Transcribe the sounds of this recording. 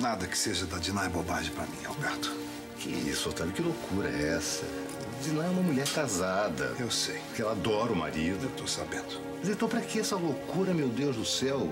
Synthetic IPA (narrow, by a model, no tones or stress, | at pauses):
nad̪ɐkɪ̥seʒɐd̪ɐd͡ʒinajbobaʒẽpɾɐmĩa̰wbɛɾt̪ʊ̥ | kʰɪ̰ḭsot̪abɪkɪlokʰuɾɐɛ̰ɛsɐ̰ | d͡ʒinãɛũmɐmuʎɛɾkazad̪ɐ̰ewsejpʊkɪɛlad̪ɔɾʊma̰ɾid̪ʊewt̪owsa̰bẽnd̪ʊmɐzẽnt̪ɐ̃w̃pɾɐkɪɛsɐlokuɾɐmewd̪ewzd̪ʊsɛw